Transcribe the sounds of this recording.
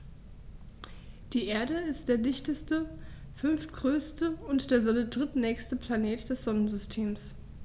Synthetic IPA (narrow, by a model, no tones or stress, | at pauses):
d̥iːʔeːɐɾəɪst̚d̥eːɐdɪçtəstə | fʏnftɡ̥ʁøːstəʊntd̥eːɐzɔnədʁɪtnɛːçstəpʰl̥aneːtd̥ɛsz̥ɔnənzʏstʰeːms